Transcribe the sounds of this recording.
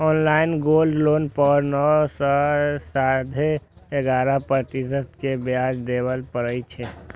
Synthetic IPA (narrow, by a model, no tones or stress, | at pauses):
ɔːnlaːɪnɡoːlɖloːnpəɾnɔsɔsad̪ʱeeɡaːɾəpɾət̪isət̪kebjaːd͡ʒd̪eːwəlpəɾəit͡ʃʰe